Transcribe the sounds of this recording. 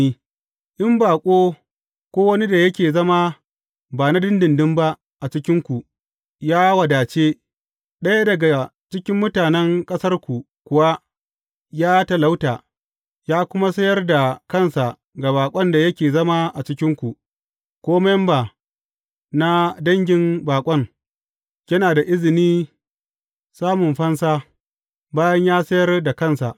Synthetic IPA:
iː˦ | ʔɪ˦mbaː˨kʷʼoː˦ | kʷoː˦wɐ˦ni˦da˨jɐ˦kʲeː˨zɐ˦ma˦ | baː˨na˦dɪ˦ndɪ˨ndɪ˦mba˦ | ʔa˨t͡ʃɪ˦kʲɪ˦ŋkʷu˨ | jaː˦wɐ˨daː˨t͡ʃeː˦ | ɗɐ˦ja˦dɐ˨ɡa˨t͡ʃɪ˦kʲɪ˦mːʊ˦taː˨nɛ˦ŋkʼɐ˦sɐ˦rkʷu˨ | kʷʊ˨wa˦ | jaː˦tɐ˨la˦wtaː˨ | jaː˦kʷʊ˦ma˦sɐ˦jɐ˦rda˨kɐ˦˨nsa˨ʔ | ɡa˨baː˨kʷʼɔ˦nda˨jɐ˦kʲeː˨zɐ˦ma˦ʔa˨t͡ʃɪ˦kʲɪ˦ŋkʷu˨ʔ | kʷoː˦mɛ˦mba˨ | na˦dɐ˦ŋɡʲɪ˦mbaː˨kʷʼɔ˦ŋ | kʲɐ˦naː˨da˨ʔɪ˦zɪ˨niː˦ | saː˦mʊ˨mɸɐ˦nsaː˦ | baː˦jɐ˦ɲjaː˦sɐ˦jɐ˦rda˨kɐ˦nsa̰˨ʔ

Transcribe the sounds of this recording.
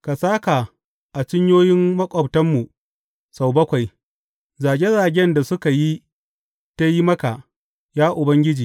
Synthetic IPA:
ka˨saː˦ka˨ | ʔa˨t͡ʃɪ˦ɲjoː˦jɪ˦mːɐ˦kʷʼɔ˨btɐ˦mːu˨ | sa˨wbɐ˦kʷa˨j | zaː˨ɡʲe˦zaː˨ɡʲɛ˦nda˨sʊ˦ka˨ji˦ | ta˦ji˦mɐ˦ka˨ | jaː˦ʔʊ˨bɐ˦ŋɡʲɪ˦d͡ʒiː˨

